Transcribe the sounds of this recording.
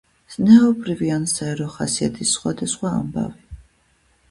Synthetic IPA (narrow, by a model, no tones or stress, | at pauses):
z̥nɛɔbɾiviansaɛɾɔχasiat̪ʰisːχwad̪asχwa̰ːmba̰vi